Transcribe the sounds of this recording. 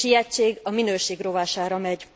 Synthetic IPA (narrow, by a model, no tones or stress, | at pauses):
ijɛt͡ʃeːɡɒminøːʃeːɡro̞vaːʃaːɾɒmɛɟ